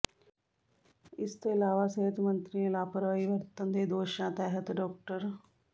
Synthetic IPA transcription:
ɪst̪oːɪlaːʋaːsəɦət̪mənt̪ɾiːãlaːpəɾʋaːiːʋəɾt̪ənd̪eːd̪oːʃãːt̪ɛːɦət̪ɖɔːk̚ʈəɾ

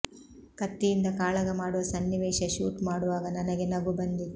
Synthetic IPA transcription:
kɐt̪ːijind̪ɐkaːɭɐɡɐmaːɽuʋɐsɐnːiʋɛːʃɐʃuːʈmaːɽuʋaːɡɐnɐnɐɡenɐɡubɐnd̪i

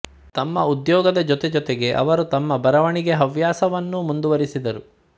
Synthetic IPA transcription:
t̪ɐmːɐud̪jɔːɡɐd̪ɐd͡ʒɔt̪ɛd͡ʒɔt̪ɛɡe̞ʔɐ̰ʋɐɾut̪ɐmːɐbɐɾɐʋɐɳiɡeɦɐʋjaːsɐʋɐnːumund̪uʋɐɾisid̪ɐɾu

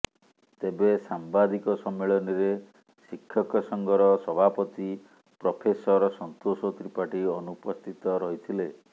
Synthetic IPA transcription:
t̪ebesambad̪ikɔsɔmːeɭɔniɾe | sikʰːjɔkɔsɔŋɡɔɾɔsɔbʱapɔt̪i | pɾɔpʰesɔɾɔsɔnt̪osɔt̪ɾipaʈiɔnupɔst̪ʰit̪ɔɾɔɦit̪ʰile

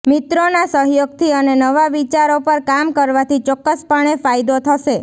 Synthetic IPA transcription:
mɪt̪ɾonasəɦjoɡ̚t̪ʰiənenəʋaʋit͡ʃaɾopəɾkamkəɾʋat̪ʰit͡ʃɔkːəspəɳ̃efajd̪ot̪ʰəʃe

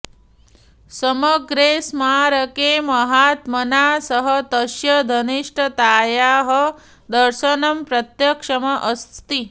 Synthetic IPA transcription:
sɐmɐɡɾeːsmaːɾɐkeːmɐɦaːt̪mɐnaːsɐɦɐt̪ɐʃjɐd̪ʱɐniʂʈɐt̪aːjaːɦɐ | d̪ɐɾʃɐnɐmpɾɐt̪jɐkʂɐmɐʔɐst̪t̪i

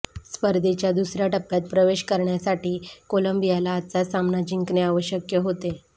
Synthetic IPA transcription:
spəɾd̪ʱet͡ɕjad̪usɾjaʈəpːjat̪̚pɾəʋeɕkəɾɳjasaʈiːkoləmbijalaːt̪t͡sasamnad͡ʑiŋkneaʋəɕjəkjəɦot̪e

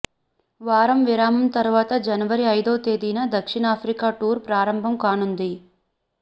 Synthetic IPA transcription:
ʋaːɾɐmʋiɾaːmɐmt̪ɐɾuʋaːt̪ɐd͡ʒɐnɐʋɐɾiɐjd̪oːt̪eːd̪iːnɐd̪ɐkʂiɳaːpʰɾikaːʈuːɾpɾaːɾɐmbʱɐmkaːnund̪i

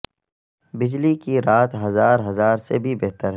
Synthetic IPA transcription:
bɪd͡ʒlikiɾaːt̪ɦɐzaːɾɦɐzaːɾsebʱibɛɦt̪əɾɦ

